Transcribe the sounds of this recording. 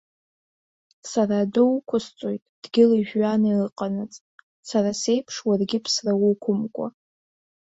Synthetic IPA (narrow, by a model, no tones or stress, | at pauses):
saraːdowkʷʰʊst͡sʼojtʼd̥ɡʲɪliʒᶣɥanairɨqʼanat͡sʼ | sarase̞jpʰʂwarɡʲɪpʰsrawʊkʷʰʊmkʷʼa̰